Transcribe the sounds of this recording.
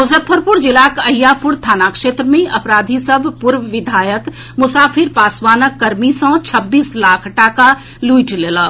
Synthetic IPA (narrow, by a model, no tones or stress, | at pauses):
mʊsəpʰːəɾpʊɾd͡ʒɪlakəjːapʰʊɽt̪ʰaːnakʂeːt̪ɾəmẽʔəpɾaːd̪ʱisəbʱpʊɾʋəʋɪd̪ʱaːjək | mʊsaːpʰɪɾpaːswaːnəkːəɾmisə̃t͡ʃʰəbːiːslaːkʰʈaːka | luiʈleːlaː